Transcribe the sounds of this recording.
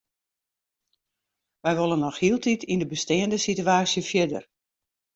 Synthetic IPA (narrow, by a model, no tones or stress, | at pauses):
ʋɛjʋolˠənɔxhiəlˠtʰitʰindəbəstɪːəndəsityaːsjəfjɪdə̰r